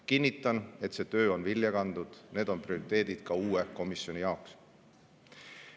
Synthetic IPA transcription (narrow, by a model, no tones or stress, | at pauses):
kinʲːit̪ːˑɑne̞t̪se̞ːt̪ø̞ːo̞nviljɑkɑnd̪̥ud̪̥ne̞ːd̪̥o̞nprio̞ɾit̪ːˑe̞ːd̪̥id̪̥kɑuːeko̞misjo̞nʲijɑoks